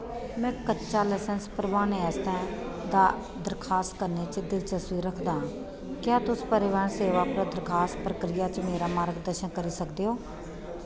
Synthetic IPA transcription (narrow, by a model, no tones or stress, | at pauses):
mɛ̃ːkətːʃaːlɛːsənspəɾʋaːneɛːst̪ɛ̃ː | d̪aː | d̪əɾkʰaːst̪kəɾneːt͡ʃd̪ɪlt͡ʃəswiːɾəkʰd̪ãː | kjaːt̪ʊspəɾɪʋaːnseːʋaːpɾəd̪əɾkʰaːspɾəkɾɪjaːt͡ʃmeːɾaːmaːɾɡd̪əɾʃənkəɾiːsəkd̪eːɦoː